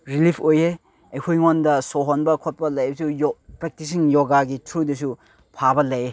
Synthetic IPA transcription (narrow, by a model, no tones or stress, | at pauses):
ɾilipʰojhe | ɐjkʰojŋondɐsoɦonbɐkʰot̚pɐlɐjsujpɾek̚tis̬iŋjoɡaɡitʰɾudɐsu | pʰabɐlɐje